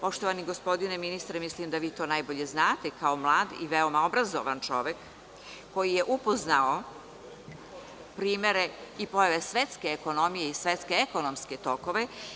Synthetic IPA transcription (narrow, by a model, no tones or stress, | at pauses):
po̞ʃt̪oʋaniɡospo̞d̪ineminist̪ɾemislimd̪aʋiːt̪o̞ːnajbo̞ʎe̞znaːt̪ekao̞mlˠaːd̪ḭʋeomao̞bɾazo̰ʋant͡ʃo̞̰ʋekː | o̞jije̞ʔupoznao | pɾiːme̞ɾeipo̞jaʋesʋet̪ske̞ːkonomijeisʋe̞t̪skeːko̞nomske̞t̪o̞ko̞ʋe̞